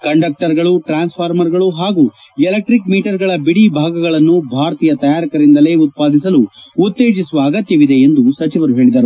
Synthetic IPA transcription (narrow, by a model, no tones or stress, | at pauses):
kɐɳɖɐk̚ʈɐɾɡɐɭuʈɾaːnspʰaːɾmɐɾɡɐɭuɦaːɡuː | elek̚ʈɾikmiːʈɐɾɡɐɭɐbiɽiːbʱaːɡɐɡɐɭɐnːubʱaːɾɐt̪iːjɐt̪ɐjaːɾikɐɾind̪ɐle̞ːut̪̚paːd̪is̬ɐluːt̪ːe̞ːd͡ʒisuʋɐːɡɐt̪jɐʋid̪e̞end̪usɐt͡ʃiʋɐɾuɦe̞ːɭid̪ɐɾu